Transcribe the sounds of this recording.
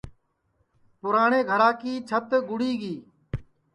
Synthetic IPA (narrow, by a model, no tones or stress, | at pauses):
pʊɾaːɳeːɡʱəɾaːkiːt͡ʃʰət̪ɡʊɽiːɡiː